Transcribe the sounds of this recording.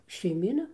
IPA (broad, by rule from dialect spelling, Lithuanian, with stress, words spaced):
ʃʲɛɪˈmʲiːnɐ